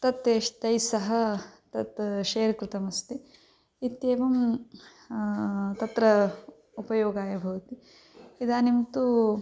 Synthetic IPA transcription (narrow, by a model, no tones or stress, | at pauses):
t̪ɐt̪ːeːʂt̪ɐjsɐɦɐ̆t̪ɐt̪ʃeːɾkɾɪt̪ɐmɐst̪i | it̪jeːʋɐm | t̪ɐt̪ɾɐ | upɐjoːɡaːjɐbʱɐʋɐt̪i | id̪aːnimt̪u